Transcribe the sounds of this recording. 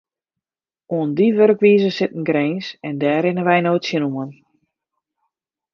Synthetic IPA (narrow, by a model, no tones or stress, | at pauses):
uəndiʋørkʋiːzəsɪtn̩ɡɾeːnsɛndɛːɾɪnəʋɛjnoːtsjənumən